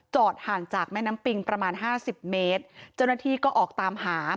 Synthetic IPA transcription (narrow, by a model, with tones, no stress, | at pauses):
t͡ɕɔː˨˩t̪̚haː˨˩ŋt͡ɕaː˨˩k̚mɛː˥˩na˦˥mpi˧ŋpɾa˧maː˧nɦaː˥˩si˨˩p̚meː˦˥t̪̚t͡ɕa˥˩wna˥t̪ʰiː˥˩kɔː˥˩ʔɔː˨˩k̚t̪aː˧mhaː˩˦